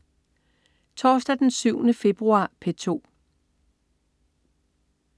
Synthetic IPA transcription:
t͡sʰɒːsd̥æd̥ensyʊ̰nəfe̝b̥ʁuɑ̰̈ːpʰet͡sʰo̝̰ː

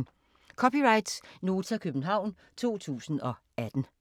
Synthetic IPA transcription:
kʰɒ̽piʁɑ̈ɪd̥sno̝ːt͡sʰækʰøb̥n̩ɦɑ̈ʊ̰n | t͡sʰo̝̰ːt͡sʰṵːsn̩ɒ̽ | æd̥n̩

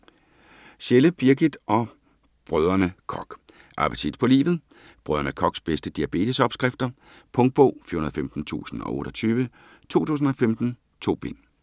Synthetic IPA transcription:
ɕeləb̥iɐɡ̥id̥ʔɒ̽ | b̥ʁœð̞ˠɐnəkʰɒ̽ɡ̥ | ʔɑ̈pʰət͡sʰid̥pʰɒ̽lḭːʋð̞̩ˠ | b̥ʁœðˠɐnəkʰɒ̽ɡ̥sb̥esd̥əd̥iæb̥e̝̰ːdʰəsɒ̽b̥sɡ̥ʁafd̥ɐ | pʰɔ̽ŋd̥̚b̥ɔ̰ʊ̰fḭɐhunɐðˠfemd̥n̩t͡sʰṵːsn̩ɒ̽ʔo̰̽ːɾ̥ɒt͡sʰyːʋə | t͡sʰo̝̰ːt͡sʰṵːs̬n̩ɒ̽femd̥n̩ | t͡sʰo̝̰ːb̥e̝n̰

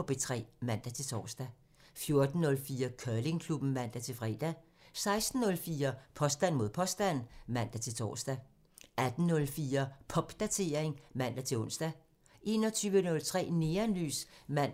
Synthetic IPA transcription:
ɒb̥e̝t͡sʰʁɛ̰ːmæn̰d̥æt͡sʰe̝lt͡sʰɒ̰ːsd̥æ | fjo̝ɐd̥n̩ːɔ̽lfiːɐkʰœle̝ŋkʰlub̥n̩mæn̰d̥æt͡sʰe̝lfʁɛ̰ːd̥æ | sɑ̈ɪsd̥n̩ːɔ̽lfiːɐpʰɒ̽sd̥æn̰mo̝ð̰ˠpʰɒ̽sd̥æn̰mæn̰d̥æt͡sʰe̝lt͡sʰɒ̰ːsd̥æ | ʔæd̥n̩ːɔ̽lfiːɐpʰɒ̽b̥d̥æt͡sʰe̝ɐe̝ŋmæn̰d̥æt͡sʰe̝ɔ̽n̰sd̥æ | ʔe̝̰ːnɒ̽t͡sʰyːʋənɔ̽lt͡sʰʁɛ̰ːne̝ːɐnly̰ːsmæn̰

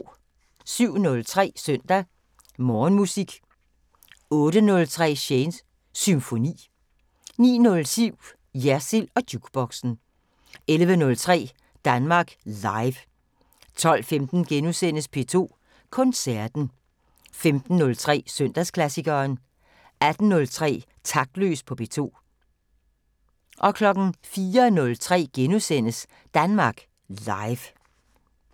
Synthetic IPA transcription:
syʊ̰nɔ̽lt͡sʰʁɛ̰ːsœn̰d̥æ | mɒːnmusiɡ̥ | ɔ̽ːɾ̥ənɔ̽lt͡sʰʁɛ̰ːɕensː | ymfo̝nḭː | nḭːnɔ̽lsyʊ̰ | jæɐsilɒ̽d̥juɡ̥b̥ɒɡ̥sn̩ | elʋənɔ̽lt͡sʰʁɛ̰ː | d̥ænmɑ̈ːɡ̥lɑ̈ɪʋ | t͡sʰɒ̽l̰femd̥n̩ɡ̥enusen̰əspʰe̝t͡sʰo̝̰ː | kʰɔ̽nsæɐd̥n̩ | femd̥n̩ːɔ̽lt͡sʰʁɛ̰ːsøn̰d̥æskʰlæsiɡ̥ɐːn | æd̥n̩ːɔ̽lt͡sʰʁɛ̰ː | t͡sʰɑ̈ɡ̥̚d̥lø̰ːspʰɒ̽pʰe̝̰t͡sʰo̝̰ː | ʔɒ̽kʰlɒ̽ɡ̥n̩fiːɐnɔ̽lt͡sʰʁɛ̰ːɡ̥enusen̰əs | d̥ænmɑ̈ːɡ̥ | lɑ̈ɪʋ

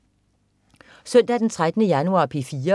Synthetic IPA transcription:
sœn̰d̥æd̥ent͡sʰʁad̥ənəjænuɑ̰̈ːpʰe̝fiːɐ

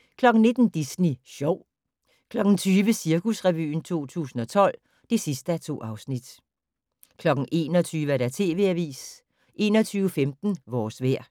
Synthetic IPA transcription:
kʰlɒ̽ɡ̥n̩ne̝d̥n̩d̥isniɕɒʊ̰ | kʰlɒ̽ɡ̥n̩t͡sʰyːʋəsiɐkʰusʁɛʋy̰ːnt͡sʰo̝̰ːt͡sʰṵːsn̩ɒ̽t͡sʰɒ̽l̰ | d̥e̝sisd̥əæt͡sʰo̝̰ːɑ̈ʊsnid̥ | kʰlɒ̽ɡ̥ŋ̩ʔe̝̰ːnɒt͡sʰyːʋəæɐɾæt͡sʰe̝̰ːʋe̝æʋḭːs | ʔe̝ːnɒt͡sʰyːʊəfemd̥n̩ʋɒːsʋeɐ̰

